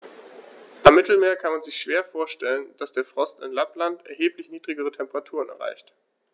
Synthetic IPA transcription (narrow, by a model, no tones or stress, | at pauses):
ʔamːɪtl̩meːɐkʰanmanzɪçʃv̥eːɐfoːɐʃtɛlənd̥asd̥eːɐfʁ̥ɔstɪ̰nlaplantʔɛɐɦeːplɪçniːdʁɪɡəʁ̞ətʰɛmpəʁatʰuːʁ̞ənɛɐʁa̰ɪçt